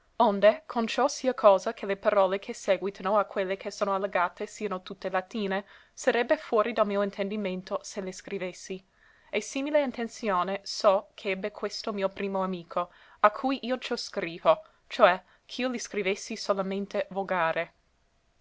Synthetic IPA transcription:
ond̪ekʰont͡ʃɔsiəkʰɔːzakʰelepaɾɔːlekʰesɛːɡwit̪ʰanoakʰwelːekʰesoːnoalːeɡaːt̪esiːanot̪ut̪ːelat̪iːne | saɾɛbːefwɔːɾid̪almiːoint̪ʰend̪iment̪oseleskɾivesːi | esiːmileint̪ent̪sjoːnesɔkʰeɛbːekʰwest̪omiːopɾiːmoamiːkʰoakʰujʔiːot͡ʃoskɾiːvo | t͡ʃoɛ | kʰiːoliskɾivesːisolament̪evoɡaːɾʔe

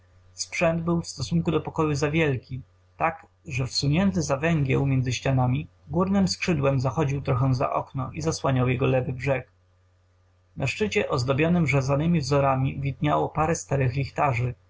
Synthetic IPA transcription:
spʂɛnd̪bɘwfst̪ɔsuŋkud̪ɔpɔkɔjuzavʲjɛlkʲi | t̪ak | ʐɛfsuɲɛnt̪̬ɘzavɛŋɡʲjɛ̰wmʲjɛnzɘɕt͡ɕanamʲi | ɡwuɾnɘmskʂɘd̪wɛmzaxɔd͡ʑiwt̪ɾɔxɛw̃za̰ʔɔ̰knɔʔizaswaɲawjɛɡɔlɛvɘbʐɛk | nʔaʂt͡ʂɘt͡ɕɛʔɔzd̪ɔbʲjɔnɘmʐazanɘmʲivzɔɾamʲivʲid̪ɲawɔpaɾɛst̪aɾɘxlʲixt̪aʐɘ

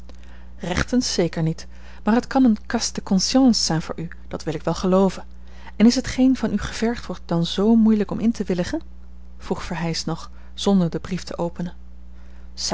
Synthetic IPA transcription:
rɛχtənsejkəɹnit | maːɹɦətkɑnənkɑstəkɔnsjɑ̃nsːɛjnvʊ̰ːɹʔy | d̥ɑtʋɪlɪkʋɛlˠχəlowvən | ɛnɪsɦətχejnvɑnyχəv̥ɛɹχtʋɔɹt̚dɑnzowmujləkɔmʔɪntəʋɪlɪχən | v̥ruχfəɹɦɛjsnɔχ | z̥ɔndəɹdəbriftʰəʔowpənən | s

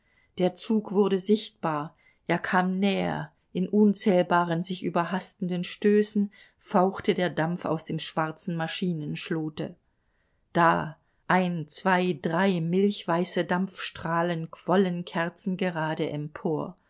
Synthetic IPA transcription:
d̥eːɐt͡suːkv̥ʊɐɾəzɪçt̚b̥aːɐ | ʔeːɐkʰaːmnɛːɐ̰ | ʔɪnʔʊnt͡sɛːlbaːʁənzɪçʔyːbɐɦastn̩dənʃtøːsn̩ | faʊxtədeːɐdamfa̰ʊsd̥eːmʃv̥aʁt͡sn̩maʃiːnənʃloːtə̰ | d̥aː | ʔaɪnt͡sv̥aɪdʁaɪmɪlçv̥aɪsədamp͡fʃtʁ̥aːlənkʰv̥ɔlənkʰɛɐt͡sn̩ɡəʁaːdəʔɛmpʰoːɐ

